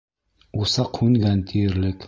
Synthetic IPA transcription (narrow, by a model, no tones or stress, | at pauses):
usaqʰunɡant̪ʰiɾlɪk